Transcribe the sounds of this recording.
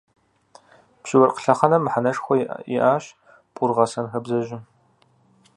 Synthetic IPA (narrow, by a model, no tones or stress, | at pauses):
pɕɪwɐrqə̥ɬɐχɐnɐmːħanɐʂxʷɔḭʔaːɕ | pʼʊrʁɐsɐnxɐbzɐʒɪ